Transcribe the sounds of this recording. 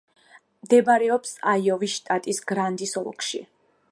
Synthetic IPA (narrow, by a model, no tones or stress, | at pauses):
md̪ɛbaɾɛɔpsaiɔviʃt̪ʼat̪ʼisɡɾand̪isɔlˠkʰʼʃḭ